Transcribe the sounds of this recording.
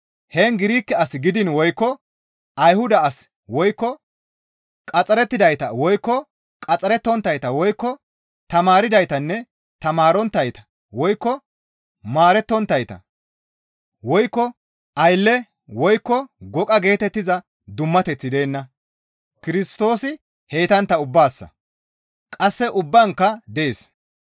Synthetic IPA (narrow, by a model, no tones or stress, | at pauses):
hɛːŋɡɪɾiːkːɛɐsɡɪd̪ɪnwɔjkːɔ | ɐjhʊd̪ɐːs | wɔjkːɔ | kʼɐt͡sʼɐɾɛt̪ːɪd̪ɐjt̪ɐwɔjkːɔ | kʼɐt͡sʼɐɾɛt̪ːɔnt̪ːɐjt̪ɐwɔjkːɔ | t̪ɐmaːɾɪd̪ɐjt̪ɐnːɛ | t̪ɐmaːɾɔnt̪ːɐjt̪ɐ̥ | wɔjkːɔ | maːɾɛt̪ːɔnt̪ːɐjt̪ɐ̰ | wɔjkːɔ | ʔɐjlːɛ | wɔjkːɔɡɔkʼɐɡe̞ːt̪ɛt̪ːɪzɐ | d̪ʊmːɐt̪ɛt͡sːɪd̪e̞ːnːɐ | kɪɾɪst̪o̞ːsɪ | he̞ːt̪ɐnt̪ːɐʊbːaːsːɐ̰ | kʼɐsːɛʔʊbːɐŋkːɐd̪ɛeːs